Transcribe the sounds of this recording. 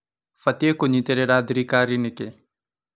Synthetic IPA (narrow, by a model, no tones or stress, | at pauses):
fɐt̪ekoɲit̪eɾeɾaːd̪ɾiːkaːɾinɪke